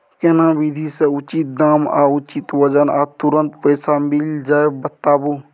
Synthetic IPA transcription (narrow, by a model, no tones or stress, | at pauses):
kenãwid̪ʱiseʊt͡ʃit̪̚d̪aːma̰ːʊt͡ʃit̪wəd͡ʒənat̪uɾə̃nt̪pəjsamɪld͡ʒaːebət̪aːbu